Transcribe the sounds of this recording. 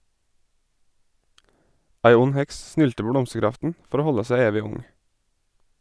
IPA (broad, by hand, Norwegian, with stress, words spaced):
ˈæɪ ˈʊn ˈhɛks ˈsnʏltə ˈpoː ˈblɔmsəˌɡɾɑftn̩ ˈfɔɾ ˈoː ˈhɔlə ˈsæ ˈeːʋɪ ˈʊŋ